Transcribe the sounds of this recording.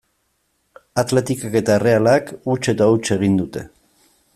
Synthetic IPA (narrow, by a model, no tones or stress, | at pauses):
at̪le̞t̪ikake̞t̪aere̞alakut͡ʃe̞t̪aut͡ʃe̞ɣ̞ind̪ut̪e̞̰